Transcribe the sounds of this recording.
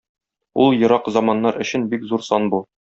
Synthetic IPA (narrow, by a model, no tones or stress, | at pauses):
ulˠjɤ̆ɾɑqzɒmɑnːɑɾɵ̆ɕɘ̆nbikzuɾsɒnbu